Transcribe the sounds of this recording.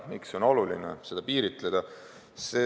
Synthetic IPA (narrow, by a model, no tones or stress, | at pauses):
mikso̞no̞lulinḛse̞d̪̥ɑpiːɾit̪ˑled̪̥ɑ | se